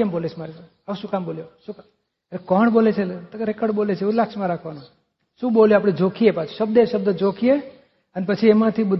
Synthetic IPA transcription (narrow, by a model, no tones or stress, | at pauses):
əmbolet͡ʃʰmaɾes | auʃũkamboːljoʃũk | elekɔɳbolet͡ʃʰeɾekəɖbolet͡ʃʰeũlakt͡ʃmãɾakʰʋano | ʃũːɓoljoapɽ̃ed͡ʒokʰiepat͡ʃʰu̥ʃəb̚d̪eʃəb̚d̪əd͡ʒokʰie | ənepət͡ʃʰiemãt̪ʰibʊd̪